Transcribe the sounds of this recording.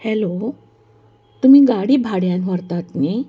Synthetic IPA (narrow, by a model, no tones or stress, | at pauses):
hɛlo | t̪um̤iːɡaɽiːbʱaɽjãnʋəɾt̪at̪ni